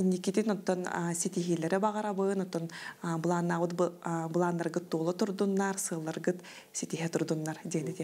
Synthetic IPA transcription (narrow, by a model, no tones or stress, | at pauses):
inːikit̪inɔt̪ːɔnsit̪iɦilʲɛɾɛbaʁaɾabɯnɔt̪ːɔnbɯlˠaːnːaːβɯt̪̚bɯlˠaːnːaɾɡɯt̪̚ːuːlˠɔt̪uɾd̪unːaɾsɯːlˠːaɾɡɯt̪ | sit̪iɦɛt̪uɾd̪unːaɾd̪iːnit̪i